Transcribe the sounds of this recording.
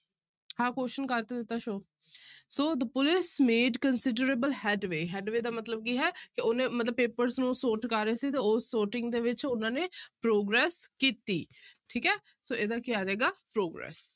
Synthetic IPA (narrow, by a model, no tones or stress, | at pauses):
hãːkoːʃənkəɾt̪eːd̪ɪt̪ːaːʃoː | soːd̪əpʊlɪsmeːɖkənsɪɖəɾeːbəlhɛːɖʋeːɦɛːɖʋeːd̪aːmət̪ləb̚kiːɦɛːkɪoːnẽːmət̪ləb̚peːpəɾznũːsoːʈkəɾeːsiːt̪eːoːsːoːʈɪŋɡd̪eːʋɪt͡ʃʊnãːneːpɾoːɡɾɛːskiːt̪ḭːʈʰiːkɛː | soːeːd̪aːkɪaːd͡ʒɛːɡaːpɾoːɡɾɛ̰ːs